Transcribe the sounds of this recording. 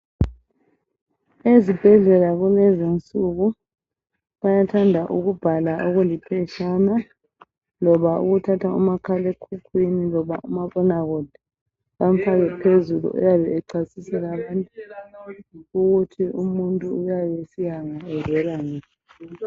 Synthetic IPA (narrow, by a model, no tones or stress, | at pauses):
ezib̥ʱɛɮɛlaɣulɛzint͡sʼuɣu | βajatʰandʱaʔuɣub̥ʱalaʔoɣulipʰɛʃana | lɔβaṵɣutʰatʰaṵmakʰalekʰukʰwinilɔβaʔumaβɔnaɣɔd̥ʱa | βaɱfaɣɛpʰezulṵʔɛ̰jaβɛɛǀʰasisɛlaβantʼu | uɣutʰiʔumuntʼuːjajesijaŋaɛvʱɛlanɛ